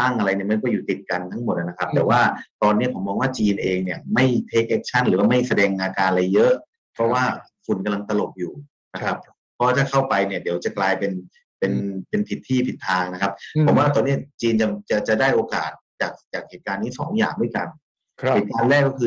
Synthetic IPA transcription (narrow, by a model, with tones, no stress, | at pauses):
t̪a˥˩ŋʔa˧ɾa˧jni˥˩ma˥˩nkɔː˥˩juː˨˩t̪i˨˩t̪̚ka˧nt̪ʰa˦˥ŋmo˨˩t̪̚ʔa˨˩na˦˥kʰa˦˥t̪ɛː˨˩waː˥˩t̪ɔː˧nːi˦˥ɐpʰo˩˦mːɔː˧ŋwaː˥˩t͡ɕiː˧nʔeː˧ŋni˥˩ɐma˥˩jt̪ʰeː˦˥k̚ʔɛ˦˥k̚t͡ɕʰa˥˩nlɯː˦waː˥˩ma˥˩jsa˧dɛː˧ŋʔaː˧kaː˧nla˧jːɤ˦˥ʔ | pʰɾɔ˦˥waː˥˩ | kʰu˧nka˧mla˧ŋt̪a˧lo˨˩p̚juː˨˩ | na˦˥a˦˥p̚ | pʰːɔ˦waː˥˩t̪ʰaː˥˩kʰa˥˩wpa˧jni˥˩ɐdi˩˦wt͡ɕa˨˩klaː˧jpe˧n | pe˧npe˧np̪ʰi˨˩t̪ʰːiː˥˩p̪ʰi˨˩t̪ʰːaː˧ŋna˦˥kʰa˦˥p̚pʰo˩˦mwaː˥˩t̪ɔː˧ni˦˥ɐ˩t͡ɕiː˧nt͡ɕa˨˩t͡ɕa˨˩t͡ɕa˨˩daː˥˩jʔoː˧ka̰ː˨˩t̪̚t͡ɕaː˨˩k̚t͡ɕaː˨˩k̚heː˨˩t̪̚kaː˧nːi˦˥˩sɔ̰ː˩˦ŋja̰ː˨˩ŋdu˥˩jka˧n | eː˨˩t̪̚kaː˧nɾɛː˥˩kːɔ˥˩kʰɯː˧